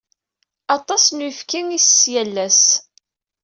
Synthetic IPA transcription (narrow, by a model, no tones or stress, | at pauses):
ɑt̪ˤɑsnuifkiŋisːjælːæs